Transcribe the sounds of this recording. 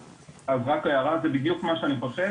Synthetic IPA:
azʁakajaʁazebidjukmaʃeaniχoʃe

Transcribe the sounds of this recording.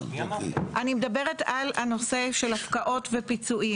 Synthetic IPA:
ʔanimedabe̞ʁetalano̞se̞ʃelafkaʔo̞tvepit͡suʔi

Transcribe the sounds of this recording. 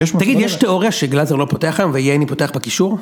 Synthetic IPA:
t̪aɡid̪jeʃteo̞ʁjaʃeɡlazeʁlo̞po̞teaχɡamveijeanipote̞aχbekiʃuʁ

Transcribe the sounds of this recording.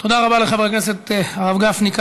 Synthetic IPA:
t̪od̪aʁabaleχavekneset̪aʁavɡafnik

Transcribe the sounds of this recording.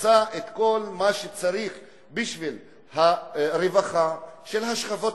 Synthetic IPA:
t͡saʔet̪ko̞lmaʃet͡saɾiχ | biʃvil | haɾevaχaʃe̞lɦaʃχavo̞t

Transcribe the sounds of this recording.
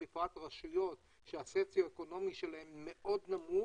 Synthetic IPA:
ifat̪ʁaʃujo̞t | ʃeaset͡sjoeko̞no̞miʃelae̞mːe̞ʔo̞d̪namu

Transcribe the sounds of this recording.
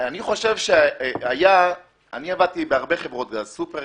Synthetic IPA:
aniχo̞ʃe̞vʃeaja | aniavad̚t̪ibeaʁbeχevʁo̞t̪̚ɡazsupe

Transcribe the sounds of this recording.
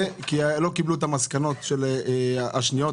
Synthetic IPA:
kilo̞kibluet̪amaskano̞t̪ʃel | aʃnijo

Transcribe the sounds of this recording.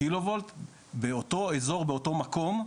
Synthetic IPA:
ilovolt̪ | beot̪o̞ezo̞ʁbeoto̞mako̞m

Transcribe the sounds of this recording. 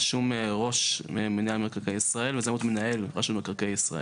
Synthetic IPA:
ʃumeʁo̞ʃmemeniamekaʁkejisʁae̞lvezemut̪menae̞lʁaʃumekaʁkejisʁa̰e

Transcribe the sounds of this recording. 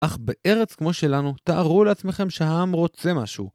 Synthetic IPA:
ʔaχbeʔe̞ʁet͡skmo̞ʃe̞lanut̪aʔːʁuleat͡sme̞χe̞mʃehaamʁo̞t͡semaʃṵ

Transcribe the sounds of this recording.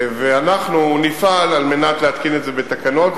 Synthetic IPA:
veanaχnunifalalme̞nat̪leat̪kinetzebet̪akano̞t̪

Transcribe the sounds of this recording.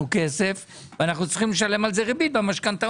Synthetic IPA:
ukesef | veanaχnut͡s̪i̥χimleʃale̞malzeʁibit̪̚bamaʃkant̪a

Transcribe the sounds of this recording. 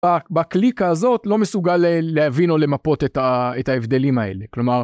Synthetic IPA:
abaklikaːzo̞tlo̞me̞suɡalːeavino̞le̞mapo̞t̪et̪aetaevd̪e̞limae̞̰le̞klo̞maʁ

